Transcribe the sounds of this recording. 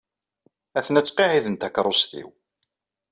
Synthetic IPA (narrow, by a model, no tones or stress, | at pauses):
æθənæt͡sːqeʕiðənt̪ækɾˤʊsθḭw